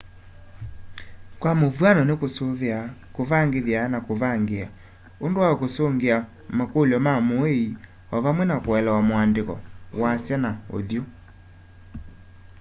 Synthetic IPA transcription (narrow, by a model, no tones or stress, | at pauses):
kwamovwanɔnekosoveakovaŋɡeðjanakoβaŋɡea | ondowakosoŋɡea | makoljɔmamoei | ɔβamwɛnakwɛlɛwamoandekɔ̰wasjɛnao̰ðjo